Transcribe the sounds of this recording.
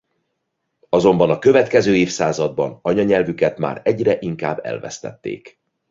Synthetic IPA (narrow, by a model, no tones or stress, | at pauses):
ɒzo̞mbɒnɒkø̞vɛt̪kɛzøːeːfsaːzɒd̪̚bɒnɒɲɒɲɛlvykɛt̪ma̰ːɾɛɟrɛʔiŋka̰ːbːɛ̰lvɛ̰st̪ɛ̰t̪ːḛːk